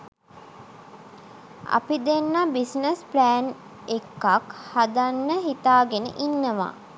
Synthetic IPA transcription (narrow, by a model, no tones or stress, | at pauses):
a̰pid̪enːabisnəsplæːn | ekːakhad̪anːəɦit̪aːɡenə̰ʔinːəʋa̰